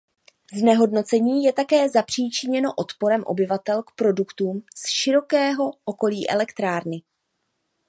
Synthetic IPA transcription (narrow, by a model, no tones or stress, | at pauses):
znɛɦo̞dno̞t͡sɛɲiːjɛt̪akɛːzapr̝̥iːt͡ʃɪɲɛno̞ʔo̞t̪po̞ɾɛmʔo̰bɪvat̪ɛlkpɾo̞dukt̪uːmsʃɪɾo̞kɛːɦo̞ʔoko̞liːʔɛ̰lɛkt̪ɾaːɾnɪ